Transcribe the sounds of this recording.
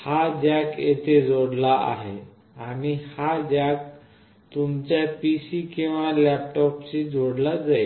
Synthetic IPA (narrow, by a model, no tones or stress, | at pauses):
had͡ʑakjet̪ʰed͡zoɽlaʔa̰ɦḛ | aɽ̃ihad͡ʑak | t̪umt͡ɕjapisikĩw̃ʋalɛp̚ʈɔpt͡ɕid͡zoɽlad͡zae